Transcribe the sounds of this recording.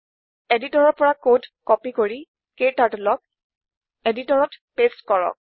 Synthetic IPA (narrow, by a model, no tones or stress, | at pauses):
editɔɹɔɹpɔɹakodkɔpikoɹi | ketatulɔk̚ | editɔɹɔtpestkɔɹɔ̰k̚